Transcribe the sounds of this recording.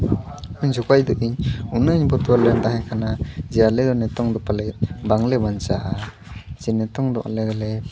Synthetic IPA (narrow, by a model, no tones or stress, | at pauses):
ɯɲd͡ʒɔkajd̪ɔʔiɲunɯɲbɔt̪ualɛnd̪aɦɛkʰanad͡ʒɛalɛd̪ɔnɛt̪ɔŋd̪ɔpalɛbaŋlɛbant͡ʃaʔa | d͡ʒɛnɛt̪ɔŋd̪ɔʔa̰lɛd̪ɔlɛ